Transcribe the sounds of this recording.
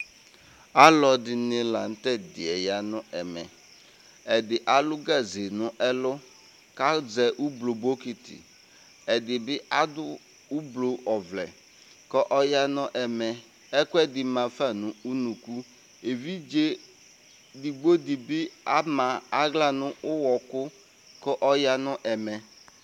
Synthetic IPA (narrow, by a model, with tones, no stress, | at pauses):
a˦lɔ˨dɪ˨nɪ˨la˨n̩˦tɛ˦dɪ˨ɛ˨ja˨nʊ˦ʔɛ˨mɛ̰˨ | ɛ˨dɪ˨ʔa˨lʊ˦ɡa˦˨ze˨nʊ˦ʔɛ˦lʊ˦ | ka˦d͡zɛ˨ʔu˦blo˨bo˦ki˦tɪ̰˨ | ɛ˨dɪ˨bɪ˦ʔa˦dʊ˦ | u˦blo˨ʔɔ˨vlɛ̰˨ | kɔ˦ʔɔ˦ja˦nʊ˦ʔɛ˨mɛ˨ | ɛ˦kʊ˦ɛ˦dɪ˨mã˨fa˦˨nʊ̃˨u˦nũ˨ku˦ | e˨vi˦d͡ʒe˦ | di˨ɡ͡bo˦dɪ˨bɪ˦a˦ma˨a˦ɣla˦nʊ˦ʔʊ˦wɔ˨kʊ˦ | kɔ˦ʔɔ˦ja˦nʊ˦ʔɛ˨mɛ˨